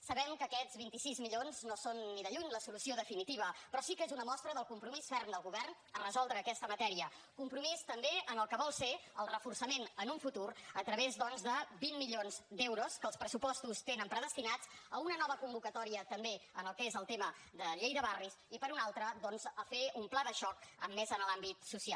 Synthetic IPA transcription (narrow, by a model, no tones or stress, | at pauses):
səβɛmkəːkɛd͡zβint̪isizmiʎonznosonːiðəʎuɲləsulusioðəfinit̪iβ̞əpɾɔsikezunəmɔst̪ɾəðəlˠkumpɾumisfɛrnd̪əlˠɣuβɛrn | ərəzɔlˠd̪ɾəːkɛst̪əmət̪ɛɾiə | kumpɾumist̪əmbeənəlˠkəβɔlˠseəlˠrəfursəmenənuɱfut̪uɾət̪ɾəβezðɔnzðəbimːiʎonzd̪ɛwɾuskəlˠspɾəsupɔst̪ust̪enəmpɾəðəst̪inad͡zəunənɔβ̞əkumbukət̪ɔɾiət̪əmbeənəlˠkezəlˠt̪eməd̪əʎejðəβarisipəɾunalˠt̪ɾəðɔnzəfeumplaðəʃɔkə̰mːezənlambit̪susia